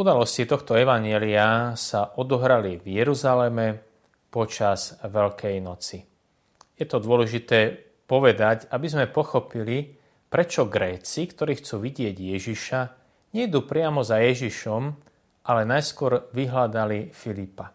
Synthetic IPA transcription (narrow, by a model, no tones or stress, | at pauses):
ud̪alɔscit̪ɔxt̪ɔɛʋaɲɪɛliasaʔɔd̪ɔɦɾalivjɛɾuzalɛmɛ | pɔt͡ʃaz̥ʋɛlkʰɛjnɔt͡si | jɛt̪ɔd̪ʊɔlɛʒit̪ɛː | pɔʋɛd̪acabizmɛpɔxɔpili | pɾɛt͡ʃɔɡɾɛːt͡sikt̪ɔɾiːxt͡suːʋiɟɪɛɟjɛʒiʃa | ɲɛid̪uːpɾɪamɔzajɛʒiʃɔm | ʔalɛnajskʊɔɾʋiɦlad̪alifilipa